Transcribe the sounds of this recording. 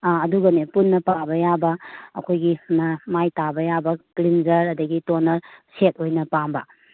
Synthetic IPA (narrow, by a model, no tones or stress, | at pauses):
ɐduɡɐnepunːɐpabɐjabɐ̰ːkʰojɡinamajtabɐjabɐkɾinzɐɾɐdɐɡitonɐɾset̚ojnɐpambɐ̰